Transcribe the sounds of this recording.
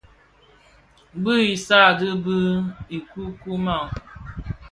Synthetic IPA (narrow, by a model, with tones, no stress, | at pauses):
bɨ˦i˨sa˦˨dɨ˦bɨ˦i˨ku˦ku˦ma˦˨